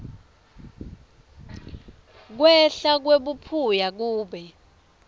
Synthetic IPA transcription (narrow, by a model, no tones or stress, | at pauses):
k̬wɛɬak̬weɓupʰujak̬uːɓɛ